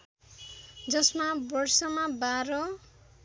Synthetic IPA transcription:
d͡zʌsmabʌrsʌmabaɾʌ

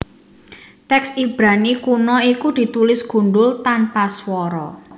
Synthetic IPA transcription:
t̪ɛksib̥ɾanikunɔikud̪̥i̤t̪ulɪsɡ̥ṳnɖʊlt̪anpaswɔɾɔ

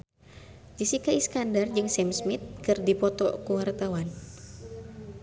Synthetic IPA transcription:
d͡ʒisikaiskandard͡ʒɨŋsɛmsmit̪̚kɨrdipɔt̪ɔ̰kuwart̪awan

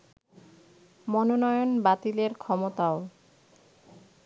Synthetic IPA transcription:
mɔnonɔjonbat̪ileɾkʰɔmot̪ao

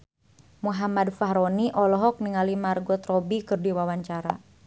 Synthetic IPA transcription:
muɦamadfaɦɾɔniʔɔlɔɦɔk̚niŋalimarɡɔt̪rɔbikɨrdiwawaɲt͡ʃaɾa

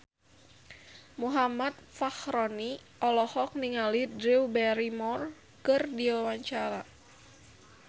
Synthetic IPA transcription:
muɦamat̪̚fahɾɔniʔɔlɔhɔk̚niŋalidɾiwbɛɾimɔr | kɨrdiwawaɲt͡ʃaɾa

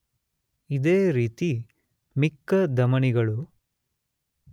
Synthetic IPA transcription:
id̪eːɾiːt̪i | mikːɐd̪ɐmɐniɡɐɭu

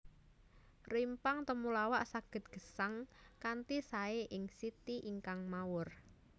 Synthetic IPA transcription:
rimpaŋt̪əmulawaʔsaɡ̥ə̤t̪̚ɡ̥ə̤saŋkant̪isaeʔɪŋsit̪iʔiŋkaŋmawʊr

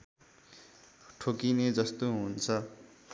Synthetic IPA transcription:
ʈʰokined͡zʌst̪oɦunt͡sʰʌ

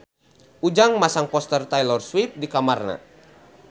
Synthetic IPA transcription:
ʔud͡ʒaŋmasaŋpɔst̪ɛrt̪ajlɔrswip̚dikamarna̰

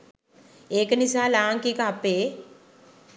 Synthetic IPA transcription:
eːknisaːlãːŋkikaːpeː

